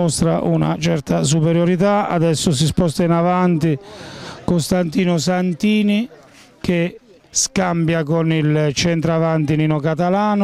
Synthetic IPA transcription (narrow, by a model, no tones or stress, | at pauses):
ɔst̪ɾaʔuna̰t͡ʃɛɾt̪as̬upɛɾjoɾit̪̬aa̰d̪ɛsːʊs̬ispɔst̪ainavant̪ikost̪ant̪iːnʊsant̪iːni | k̟ɪ | skambjakonilt͡ʃɛnt̪ɾavant̪ininokat̪alaːn